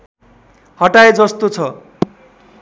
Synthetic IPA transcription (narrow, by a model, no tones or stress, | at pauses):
hʌʈaed͡zʌst̪ot͡sʰʌ